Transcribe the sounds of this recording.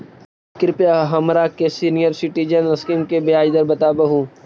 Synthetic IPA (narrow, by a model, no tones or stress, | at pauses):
kɪɾpjaɦɐmɾaːkesiːnijəɾsɪʈid͡ʒənɐskimkebejaːd͡ʒd̪ɐɾbɐt̪aːbɐɦũː